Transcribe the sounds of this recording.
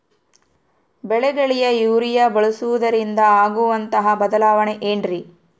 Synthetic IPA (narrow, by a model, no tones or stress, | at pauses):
bɛɭɛɡɐɭijɐjuːɾijɐbɐɭusuʋud̪ɐɾind̪ɐaːɡuʋɐnt̪ɐɦɐbɐd̪ɐlaːʋɐɳeʔeːɳɖɾi